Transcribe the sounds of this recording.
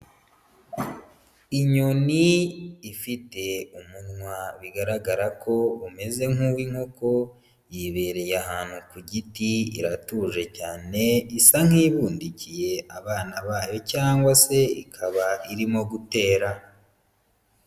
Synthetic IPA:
iɲo̞niː | fite̞umunŋwaβiɡaɾaɡaɾakʰo̞ume̞ze̞ŋuwiŋ̥o̞ko̞ | jiβe̞ɾe̞jahaːn̥hukuɟitiḭɾatuʒe̞caːne̞isaŋ̥iβuːndicije̞ʔaβaːnaβaːjo̞caːŋɡwase̞ikʰaβaiɾimo̞ɡute̞ːɾa

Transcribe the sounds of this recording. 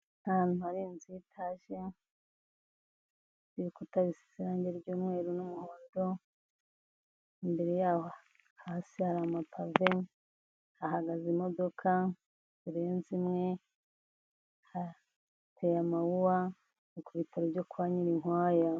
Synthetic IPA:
naːn̥uaɾinzitʰaʃe | ziɾikutaβisi̥siɾaːɲɟeɾɟuːmwe̞ːɾunumuhoːndo̞ | imbe̞ɾejaːho | hasihaɾamapʰave | aɦaɡazimo̞do̞kʰa | uɾe̞ːnzimŋe̞ | ha | tʰejamawuwa | ukuβitʰaɾovɟokwaːɲiɾiŋwaːja

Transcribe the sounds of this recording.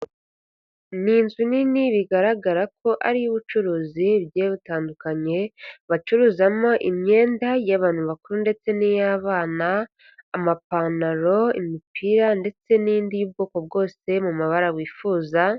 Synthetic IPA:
niːnzuniniβiɡaɾaɡaɾak̚ʰo̞ʔaɾijuβut͡ʃuɾuːziβjeβutaːndukaɲe̞βat͡ʃuɾuːzamo̞ʔimɲe̞ːndajaβaːnhuβakuɾunde̞t͡se̞nijaβaːnaː | mapanaɾo̞ḭmipʰiːɾande̞t͡se̞nindijuːb̚ɡoːko̞b̚ɡo̞ːse̞mumaβaɾaβwiːfuːza

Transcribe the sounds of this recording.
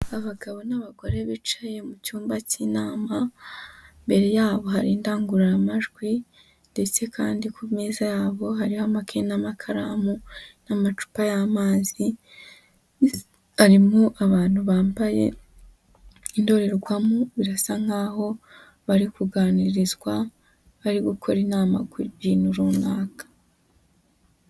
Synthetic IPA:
aβaɡaβo̞naβaɡwoɾeβit͡ʃaje̞mucuːmbaciːnaːma | mbe̞ɾe̞jaːβo̞ɦaɾiːndaːŋɡuɾaɾamaʒɡwi | nde̞t͡se̞kʰaːndikʰumeːzajaːβo̞ɦaɾihamakʰenamakʰaɾa̰munamat͡ʃu̥pajamaːzi | haɾimuʔaβaːn̥huβaːmbaje̞̰ | indo̞ɾe̞ɾɡwamuβiɾasaŋ̥haːho̞ | βaɾikuɡaːniɾizɡwa | βaɾiɡukʰo̞ɾinaːma̰ɡuɾiiːnuɾunaːkḁ

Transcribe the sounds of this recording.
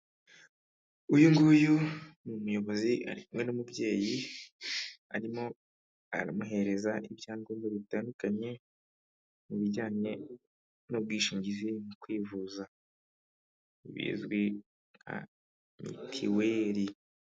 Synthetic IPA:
ujuŋɡujumumujo̞βo̞ziʔa̰ɾikumŋe̞numubɟe̞ːji | a̰ɾimo̞ | a̰ɾamuɦe̞ɾe̞zaʔibjaːŋɡuːmeβitaːndukaɲɲe̞ | muβiɟaːɲe̞ | nob̚ɡwiːʃiːɲɟizimukwiːvuza | iβḭːzɡwi | ŋa̰ | mḭtʰiwe̞ːɾi

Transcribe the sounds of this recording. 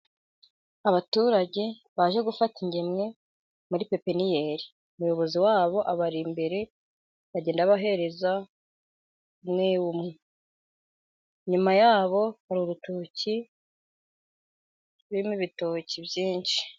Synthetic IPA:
aβatuɾaɟe̞ | βaʒe̞ɡufatiɲɟe̞mŋe̞ | muɾipe̞pe̞nijeɾi | umujo̞βo̞ziwaːβo̞ʔaβaɾimbe̞ɾe̞ | βaɟe̞ːndaβaɦe̞ɾe̞za | umŋewumŋe | ɲumajaːβo̞haɾuɾutuci | βiɾimuβitocibjiːnʃi̥

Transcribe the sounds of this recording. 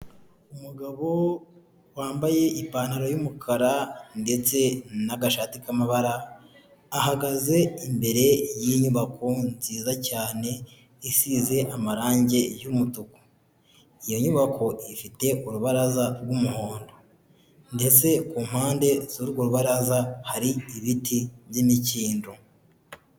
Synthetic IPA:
umuɡaβo̞ | waːmbaje̞ʔipaːnaɾojumukʰaɾande̞t͡se̞naɡaʃaːtikamaβaɾaː | ɦaɡaze̞imbe̞ɾe̞jiɲuβakʰo̞nziːzacaːne̞ | isize̞ʔamaɾaːɲɟe̞jumutuko̥ | ijo̞ɲuβako̞ʔifite̞ʔuɾuβaɾazaɾɡumuho̞ːndo̞ | nde̞t͡se̞kuːm̥haːnde̞zuɾɡoɾuβaɾazahaɾiiβitʰiβjimiciːndu

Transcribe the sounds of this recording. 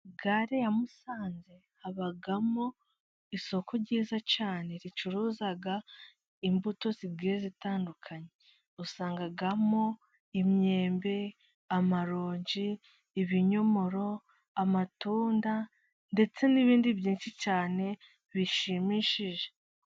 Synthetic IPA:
ɡaɾejamusaːnze̞ | haβaɡamo | iso̞kʰo̞ɾɟiːzat͡ʃaːne̞ɾit͡ʃuɾuːzaɡa | imbuto̞ziɡiɾezitaːndukʰaɲe̞ | usaːŋɡaɡamo̞ | imɲe̞ːmbe̞ | amaɾoːɲɟiː | βiɲo̞mo̞ɾo̞ | amatuːnda | nde̞t͡se̞niβiːndiβjiːnʃit͡ʃaːne̞ | βiʃimiʃiʒe

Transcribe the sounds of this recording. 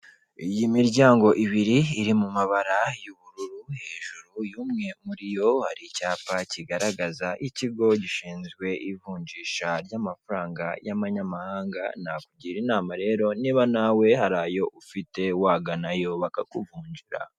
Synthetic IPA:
ijimiɾɟaːŋɡo̞ʔiβiɾiːɾimumaβaɾajuβuɾuɾuhe̞ːʒuɾujuːmŋe̞muɾijo̞ha̰ɾicaːpaciɡaɾaɡazaʔiciɡo̞ɟiʃiːnzɡwe̞ʔivuːɲɟiːʃaɾjaːmafaɾaːŋɡa̰jamaɲamahaːŋɡa̰nakuɟiɾinaːmaɾe̞ːɾo̞niːβanawe̞haɾajo̞ʔufite̞waːɡanajoːβakakuvuːɲɟiɾa̰

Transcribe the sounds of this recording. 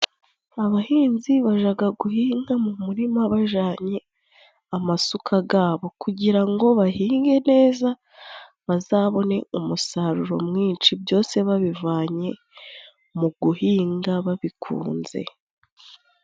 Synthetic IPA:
aβahiːnziβaʒaɡaɡuhiːŋɡamumuɾimaβaʒaːɲe̞ | amasukʰaɡaːβo̞kʰuɟiɾaŋɡo̞βahiːŋɡe̞ne̞ːza | βazaːβo̞ne̞umusaɾuɾo̞̰mŋiːnt͡ʃibjo̞ːse̞βaβivaːɲe̞ | muɡuhiːŋɡaβaβikʰṵːnze̞̰

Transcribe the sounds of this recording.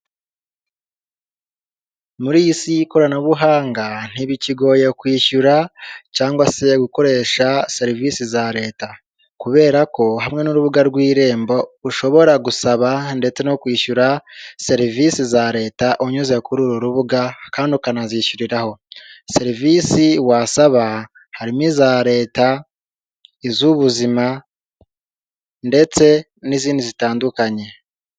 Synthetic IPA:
muɾisiko̞ɾanaβuɦaːŋɡan̥iβiciɡo̞jekwiːʃuɾacaːŋɡwase̞ɡuko̞ɾe̞ːʃase̞ɾivisizaɾe̞ːta | kuβe̞ːɾako̞ɦamŋe̞nuɾuβuɡaɾɡwiːɾe̞ːmbo̞uʃo̞βo̞ɾaɡusaβande̞t͡se̞no̞kwiːʃuɾase̞ɾivisizaɾe̞ːtaʔoɲuze̞kuɾuɾoɾuβuɡakaːndikanaziʃuɾiɾaho̞se̞ɾivisiwasaβa | haɾimizaɾe̞ːta | izuβuzima | nde̞t͡se̞ | niziːndizitaːndukaɲe̞

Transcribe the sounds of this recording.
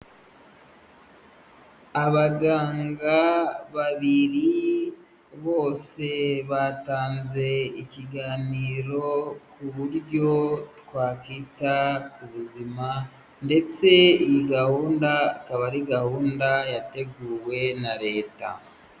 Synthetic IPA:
aβaɡaːŋɡaβaβiɾi | βo̞ːse̞βataːnze̞iciɡaːniːɾo̞kuβuɾɟo̞twaːkiːtakuβuzima | nde̞t͡se̞ijiɡahuːndakaβaɾiɡahuːndajate̞ɡuːwe̞naɾe̞ːta̰

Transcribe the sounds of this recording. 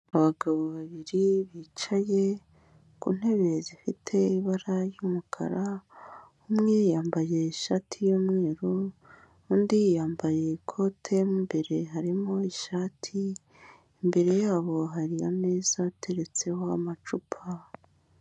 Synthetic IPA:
aβaɡaβoβaβiɾiβit͡ʃaje̞ | kṵn̥he̞βe̞zifitʰe̞iβaɾajumukʰa̰ɾa | umŋejaːmbaje̞iʃatʰijomŋe̞ːɾo | undijaːmbaje̞kʰo̞tʰe̞mumbe̞ɾe̞ɦaɾimo̞iʃaːtʰi | imbe̞ɾe̞jaːβo̞ɦaɾia̰me̞ːz̥atʰe̞ɾe̞t͡se̞hoamat͡ʃupʰa

